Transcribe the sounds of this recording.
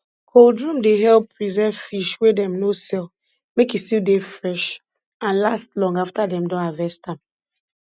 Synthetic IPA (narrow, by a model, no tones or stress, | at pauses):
kʰoldɹũmdeɦɛlpːɹizɛfiʃwedɛ̃mnosɛl | mekistildefɹɛʃ | ãnlastlɔ̃ŋɡaftadɛ̃mdɔ̃navɛstãm